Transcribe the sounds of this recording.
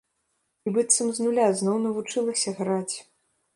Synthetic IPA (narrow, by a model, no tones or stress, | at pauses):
ibɨt̪sɐmznulʲaznɔwnɐvut͡ʂɨlˠɐsʲɐɣɾat͡sʲ